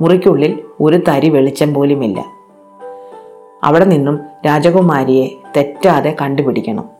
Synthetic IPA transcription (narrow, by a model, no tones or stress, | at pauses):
murikʲːuɭːilo̞ɾut̪ɐɾiʋeɭit͡ɕːɐmpo̞ːlumilːɐ̰ | ɐ̰ʋiɽe̞ninːumɾaːd͡ʑɐɣumaːɾije̞t̪e̞tːaːðe̞kɐɳɖupiɽikʲːɐɳɐ̰m